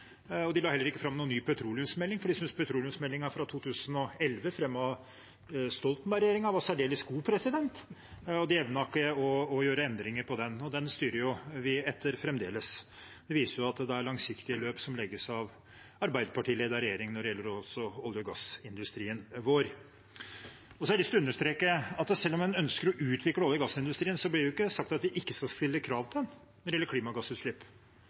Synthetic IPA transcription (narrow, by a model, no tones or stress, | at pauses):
ɔd̪ɪlɑːhɛlːəɾɪkːəfɾɑmːnuːnːyːpʰœt̪ʰɾuːlɪʉmsmɛlːɪŋfɔɖɪsʏnspʰœt̪ɾuːlɪʏmsmɛlːɪŋɑfɾɑt̪ʰuːt̪ʰʉːsənɔɛlʋəfɾɛmːɑ | st̪ɔlt̪n̩ɑɾɛjeːɾɪŋɑʋɑsæɖeːləsɡuːpʰɾɛsɪd̪ɛnt̪ɔd̪ɪɛʋnɑkːəɔːjøːɾəɛnd̪ɾɪŋəɾpʰɔd̪ɛnɔd̪ɛnst̪yːɾəɾjʊʋɪɛt̪ʰːəɾfɾɛmd̪eːləs | d̪̥ɛʋiːsəɾjʊɑt̪d̪ɛæɾɭɑŋsɪkt̪ɪəløːpsɔmlɛɡːəsɑʋ | ɑɾbæɪd̪əpʰɑʈiːleːd̪ɑɾɛjeːɾɪŋnɔɖɛjɛlːəɾɔsɔɔlːjɪɔɡɑsɪnd̪ʉst̪ɾiːənʋoːɾ | ɔsɔæɖɪst̪ʊʉnːəʂt̪ɾeːkəɑt̪sɛlːɔmːɛnœnskəɾɔʔʉːt̪ʰʋɪkːləɔljʊɡɑsːɪnd̪ʉst̪ɾiːənsɔblɪɾɛɪʊɪkːəsɑk̚t̪ɑt̪ʋɪʔɪkːəskɑlst̪ɪlːəkʰɾɑːʋt̪ɪd̪ɛn | nɔɾɪɛlːəɾkʰliːmɑɡɑsːʉːt̪ʂlɪpː